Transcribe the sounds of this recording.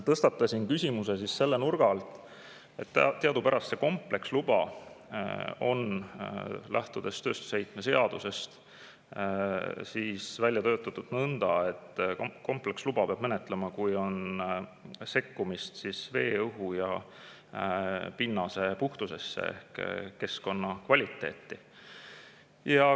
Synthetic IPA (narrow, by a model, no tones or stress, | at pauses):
t̪ɤst̪ɑt̪ːˑɑsʲinkysʲimuse̞s̬isse̞lːenurɡ̥ɑlt̪ˑ | e̞t̪ːt̪ːeɑd̪̥upæɾɑst̪seko̞mple̞kslub̥ɑ | o̞̰n | læht̪ud̪̥e̞st̪ø̞ːst̪u̥sejt̪me̞se̞ɑd̪̥use̞st̪ | siːsvælʲjɑt̪ø̞ːt̪ːˑɑt̪ːˑud̪̥nɤnd̪̥ɑe̞t̪ːko̞mple̞kslubɑpeɑb̥menet̪ˑle̞mɑkujo̞n | se̞kːumist̪sisve̞ːɤɦujɑ | pinːɑse̞puht̪use̞sːḛḛhkːe̞sko̞nːɑkvɑlʲit̪ːˑe̞̰ːt̪ːˑi | jɑ